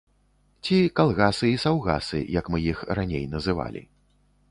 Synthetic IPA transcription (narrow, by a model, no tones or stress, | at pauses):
t͡sʲikalˠɣasɨisawɣa̰sɨ̰jɐkmɨjixranʲejnɐzɨva̰lʲḭ